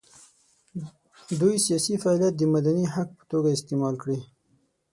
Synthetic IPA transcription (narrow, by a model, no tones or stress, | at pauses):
d̪ujsijɑsifaɑljat̪̚d̪əmad̪aniɦak̚pə̥t̪oɡaɪst̪emɑlkɽi